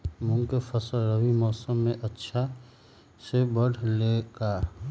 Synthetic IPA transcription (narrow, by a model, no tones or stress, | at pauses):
mʊ̃ŋkepʰəsəlɾəwimɔːsəmːẽʔətːʃʰa | sebəɽ̤leɡaː